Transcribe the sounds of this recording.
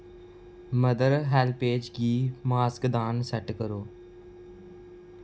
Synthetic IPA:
məd̪əɾɦɛlpeːd͡ʒɡiːmaːskd̪aːnsɐʈkəɾoː

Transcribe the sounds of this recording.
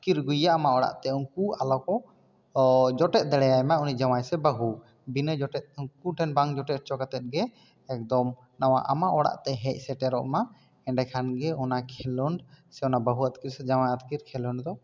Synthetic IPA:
kiɾɡujaːmaʔɔɽa̰ʔt̪ɛunkualɔkɔ | d͡ʒɔʈɛt̪̚ˀd̪ɛɽɛjajmaunid͡ʒawajsɛbəɦu | binəd͡ʒɔʈɛt̪̚ukuʈʰɛnbaŋd͡ʒɔʈɛt͡ʃɔkat̪ɛt̪̚ɡɛː | k̚d̪ɔm | nawa̰ʔa̰maʔɔɽa̰ʔt̪ɛɦɛc̚ˀsɛʈɛɾɔ̰ʔma | ɛɳɖɛkʰanɡɛɔnakʰɛlɔɳɖsɛɔnabəɦuət̪kiɾsɛd͡ʒawajat̪kiɾkʰɛlɔɳɖd̪ɔ

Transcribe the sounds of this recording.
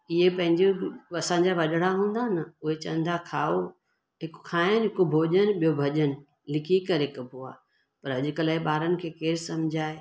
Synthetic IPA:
ɪɦepɐ̃ɦɪ̃ɲd͡ʑoɐsãːɲd͡ʑaʋɐɗɽaɦũːn̆d̪anɐʊɦet͡ɕɐ̰̃nd̪ʱakʰaːo | ɦɪkʊ̥kʰaːɪnɦɪkobʱoːʄənɓijobʱɐʄənɪ̆ | lɪkʰikɐɾɦɪkbʱua̰ː | pɐɾɐʄʊkəlaːɪɓaːɾənɪ̆kʰeːkeːɾsɐ̃md͡ʑʱaːe

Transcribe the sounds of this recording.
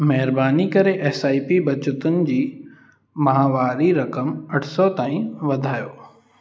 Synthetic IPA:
mɐɦɪɾbaːnikɐɾeʔɛːsaːipibɐt͡ɕʊt̪ʊnɪ̆d͡ʑiː | mɐɦaːʋaːɾiɾɐkəmɐʈʰsɔt̪aːĩʋɐd̪ʱaːjoː

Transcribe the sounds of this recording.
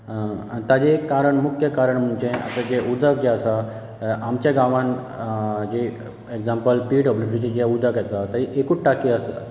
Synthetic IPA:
t̪ad͡ʑekaɾəɳmukʰjəkaɾəɳm̤uɳt͡ɕẽə̰t̪əd͡ʑeʔud̪ʱək̚d͡ʑɛəsa | amt͡ɕjaɡãʋãn | d͡ʑe | eɡd͡zãmpəlpiɖəblisiʈid͡ʑɛud̪ʱəkjɛt̪at̪əɾiʔekuːʈʈakiəsa̰

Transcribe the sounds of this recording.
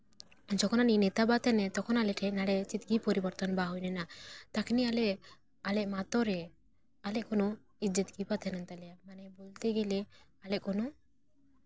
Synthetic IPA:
and͡ʒɔkʰɔnaninet̪abat̪ɛnɛt̪ɔkʰɔnalɛʈʰɛnaɽɛt͡ʃit̪ɡipɔɾibɔɾt̪ɔnbaɦɔjnɛnat̪akʰnialɛʔ | alɛʔmat̪ɔɾɛ | alɛʔkono | id͡ʒət̪ɡipat̪ʰɛnant̪alɛamanɛbolt̪eɡele | alɛʔkono

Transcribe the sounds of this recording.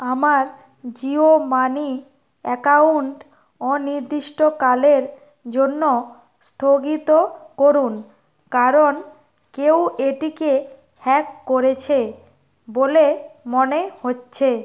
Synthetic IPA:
amaɾ | d͡ʑiomani | ɛkauɳʈ | ɔniɾd̪iʃʈokaleɾ | d͡ʑonːo | st̪ʰoɡit̪okoɾun | kaɾon | kewʔeʈike | hɛkːoɾet͡ɕʰe | bolemonehotːɕʰe

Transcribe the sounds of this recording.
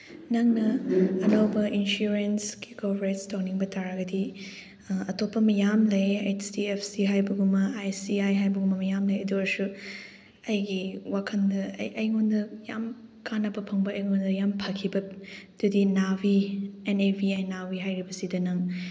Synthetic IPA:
nɐŋnɐɐnawbɐʔinsuɾensɡikobɾetstawniŋbɐtaɾɐɡɐdi | ɐtopːɐmɐjamlɐjejdiepʰsiɦajbɐɡumɐajsiajɦajbɐɡumɐmɐjamlɐjɐduɐɾsu | ɐjɡiwakʰɐndɐ̰jʔɐjŋondɐjamkanːɐbɐpʰɐŋbɐɐjŋondɐjampʰɐkʰibɐd̥udinabienebiajnawiɦajɾibɐsidɐnɐŋ

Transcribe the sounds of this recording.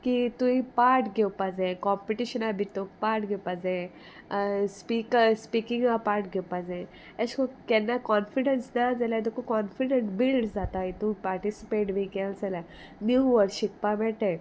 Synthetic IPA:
kit̪ũipaːɾʈɡewpad͡zẽkɔmpiʈiʃənabʱit̪ok̚paːɾʈɡepad͡zẽ | spikspikĩŋɡapaːɾʈ̚ɡɛwpad͡zẽ | eskokɛnːakɔnfiɖənsnad͡zəlad̪ekokɔnfiɖenʈbilɖd͡zat̪ait̪ũpaɾʈisipeʈbʱikalsəla | njuʋəɾʃik̚pabɛʈe

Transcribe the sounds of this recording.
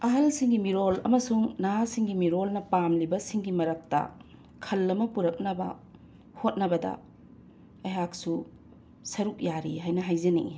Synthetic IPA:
ɐɦɐlsiŋɡimiɾolɐ̰mɐsuŋnaɦasiŋɡimiɾolnɐpamlibɐsiŋɡimɐɾɐk̚tɐ̰ | kʰɐlːɐmɐpuɾɐk̚nɐbɐ̰ | hot̚nɐbɐdɐ̰ | ɐjɦak̚su | sɐɾuk̚jaɾiɦajnɐɦajzenḭ

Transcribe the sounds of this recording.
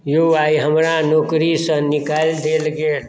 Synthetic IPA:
joaiɦəmɾanokɾisə̃nikald̪elɡel

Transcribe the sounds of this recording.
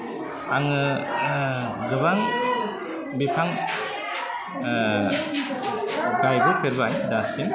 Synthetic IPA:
aŋɯ | ɡɯbaŋ | bipʰaŋ | ɡajbɯkʰɯɾbajdasiŋ

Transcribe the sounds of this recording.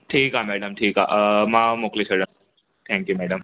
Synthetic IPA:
ʈʰiːkamæɽəmʈʰiːka̰ʔmamokliɕʰəɽə | t̪ʰɛ̃ŋkjumæɽəm

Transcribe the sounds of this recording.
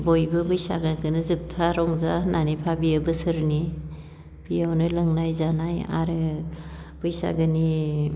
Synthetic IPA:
bojbɯbɯjsa̰ɡakɯnɯzɯp̚tʰaɾɔŋzanʔanipʰabiɯbɯsɯɾni | bijawnɯlɯŋnajzanaja̰ɾɯ | b̥ɯjsa̰ɡɯni

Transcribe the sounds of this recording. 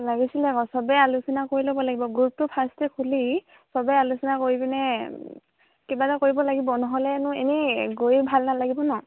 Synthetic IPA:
laɡisilɛkɔsɔbɛalusinakoɹilobɔlaɡibɔɡuup̚tupʰastɛkʰuli | sɔbɛalusinakoɹibinɛ | kibatakoɹibɔlaɡibɔnɔɦɔlɛnʊenɛɡojbʱalnalaɡibɔnɔ

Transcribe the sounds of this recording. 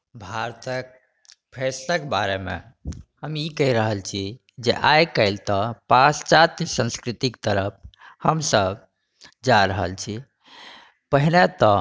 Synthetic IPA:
bʱaɾt̪ək̚ | pʰesləkbaɾemḛ | həmikəiɾəɦəlt͡ʃʰi | d͡ʒḛʔajkəɪlt̪ɔpast͡ʃat̪sə̃nskɾit̪ikt̪əɾəp̚ʰhəmsəb | d͡ʒaɾəɦə̰lt͡ʃʰi | pəɦinet̪ɔ

